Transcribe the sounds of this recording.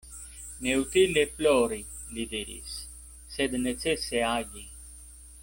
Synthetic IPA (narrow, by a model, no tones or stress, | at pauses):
neut̪ileploɾi | lid̪iɾḭs | sed̪net͡seseaɟi